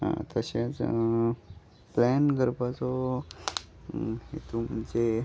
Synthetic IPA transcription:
ɦã̰t̪əɕẽt͡s | plɛnɡəɾpat͡sɔ | hḛt̪um̤ənd͡ze

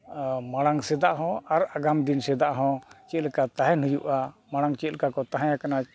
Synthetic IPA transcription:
maɽ̃aŋsɛd̪aʔɦɔ̃aɾaɡamd̪insɛd̪aʔɦɔ̃t͡ʃɛt̪lkat̪aɦɛnujṵʔamaɽ̃aŋt͡ʃɛt̪lkakɔt̪aɦãjãkana

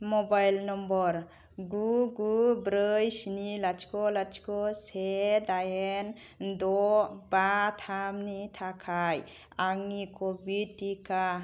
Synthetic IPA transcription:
mɔbajlnɔmbɔɾ | ɡuɡubɾɯjsinilat͡ʃkɔlat͡ʃkɔsedajend̪ɔbat̪ʰamnitʰakʰaj | aŋːikɔbitika

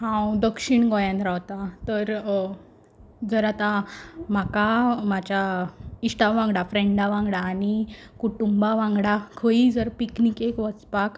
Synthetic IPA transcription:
ɦãwd̪əkʂiɳɡɔjãnt̪ɾawt̪at̪əɾ | d͡zəɾat̪ãm̤akamat͡ɕjaiɕʈaʋãŋɡɽafɾeɳɖaʋãŋɡɽaːnikuʈumbaʋãŋɡɽakʰəid͡zəɾpiknikekʋət͡spak

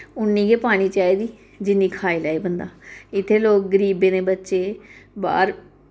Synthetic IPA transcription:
ʊnːiːɡeːpaːɽ̃iːt͡ʃaːeːd̪iː | d͡ʒɪnːĩːkʰaːiːlaːeːbənd̪a̰ːɪt̪ʰːeːloːk̚ɡəɾiːbeːnẽːbətːʃeːba̰ːɾ

